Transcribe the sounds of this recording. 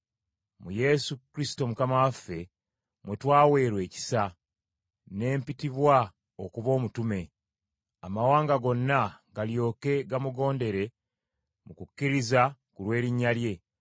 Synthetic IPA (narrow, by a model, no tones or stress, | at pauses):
muje̞sukɾisi̥to̞mukamawafːe̞ | mwetwaːwe̞ːɾwe̞ːci̥sa | ne̞ːmpitiβwa | okuβo̞ːmutume̞ | amawaːŋɡaɡo̞nːaɡaljo̞ːke̞ɡamuɡo̞ːnde̞ɾe̞ | mukucːiɾizakulwe̞ːɾiɲːalje̞